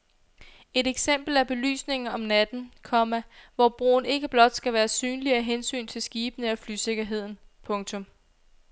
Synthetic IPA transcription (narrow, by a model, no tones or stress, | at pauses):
e̝deɡ̥sem̰b̥l̩æɐb̥e̝ly̰ːsne̝ŋ̩ɒ̽mnæd̥n̩kʰɒ̽mæʋɒb̥ʁo̝̰ːn̩e̝ɡ̥əb̥lɒ̽d̥sɡ̥æʋæːɐsyːnliɐɦensy̰ːnt͡sʰe̝lsɡ̥iːb̥ənəɒflyse̝ɡ̥ɐɦe̝ð̞̰ˠn̩pʰɔ̽ŋt͡sʰɔ̽m